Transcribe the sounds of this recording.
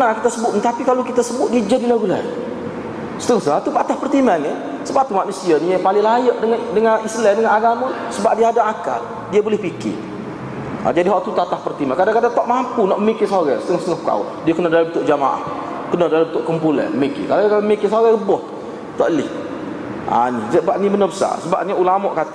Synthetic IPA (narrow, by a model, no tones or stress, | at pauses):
ənakit̪asəbʊʔ̪nt̪apikalokit̪asəbʊt̪̚did͡ʒadilaɡulɛ̰ | sə̥t̪əŋɔhst̪əŋaht̪ut̪at̪ahpərt̪imani | səbap̚t̪umaʔnusianipalɪŋlajəʔdəŋadəŋanislɛndəŋanaɡamə | səbaʔ̚diaadaaka̰l | diabolɪhpikɪ̰ | a̰d͡ʒadiɦɔʔt̪ut̪at̪ahpərt̪imakadaŋkadaŋt̪ɔʔmampunɔʔməmikɪsoɾɛsə̥t̪əŋɔhst̪əŋɔhpəka̰wa̰diəkənədaliət̪ʊʔ̚d͡ʒamaʔa̰h | kənədaliənt̪ʊʔkəmpulɛ̰əmikɪ̰kalakalaməmikɪsoɣɛɾəbɔht̪ | t̪ɔ̰ʔəlɪh | ʔa̰nisəbaʔnibənəbəsa̰səba̰ʔniulamɔʔkat̪i